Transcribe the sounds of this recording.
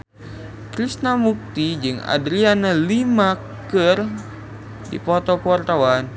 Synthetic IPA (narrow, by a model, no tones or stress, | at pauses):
kɾisnamuk̚t̪id͡ʒɨŋa̰dɾianalima | kɨr | dḭpɔt̪ɔkuart̪awan